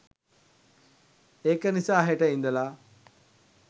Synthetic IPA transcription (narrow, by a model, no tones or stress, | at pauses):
eːkənisaːɦeʈəind̪əla